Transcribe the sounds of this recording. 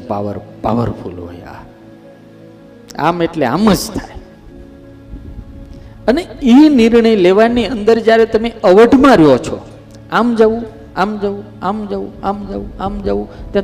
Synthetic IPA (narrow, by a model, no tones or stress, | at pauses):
pa̰ʋə̰ɾpa̰ʋə̰ɾfṵlɦo̰ja̰ | a̰meʈlea̰məd͡ʒt̪ʰaj | əneiniɾɳəjleʋaniənd̪əɾd͡ʒjaɾet̪əmeəʋəɖʱmãɾjot͡ʃʰɔ̰ | amd͡ʒaʋũ | amd͡ʒaʋũamd͡ʒaʋũamd͡ʒaʋũamd͡ʒaʋũt̪jã